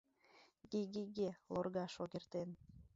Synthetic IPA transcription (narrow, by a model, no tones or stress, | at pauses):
ɡiɡiɡelorɣɑʃoɣert̪en